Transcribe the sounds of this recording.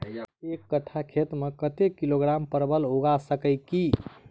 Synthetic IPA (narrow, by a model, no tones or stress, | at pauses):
ekːəʈʰakʰet̪mekət̪ekiloɡɾampəɾbəloɡasəkəɪki